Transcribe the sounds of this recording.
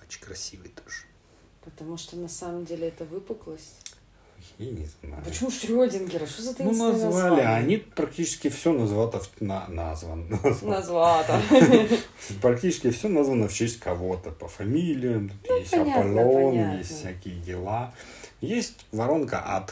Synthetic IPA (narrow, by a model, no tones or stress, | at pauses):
ot͡ɕɪkɾɐsʲivɨjt̪o̥ʐ | pət̪ɐmuʂt̪onɐsaməmdʲelʲɪɛt̪əvɨpɨklˠəsʲ | jjanʲɪzna̰jpəʊt͡ɕɪmuʂt̪ɾʲodʲɪnɡʲɪɾɐʂozɐt̪ɐnzvalʲɪaːnʲipɾɐk̚tʲit͡ɕɪ̥skʲɪfsʲonɐzvat̪əfnana̰zvənazvɐzvat̪ə | pɾɐk̚tʲit͡ɕɪskʲɪfsʲonazvənəft͡ɕesʲtʲkʰɐvo̞t̪əpəfɐmʲilʲɪjəmt̪ut̪jesʲtɐnʲapɐlʲonjesʲt̪ʲsʲækʲɪjədʲɪlˠa | jesʲtʲvɐɾo̞nkə̰ʔɐ̰t̪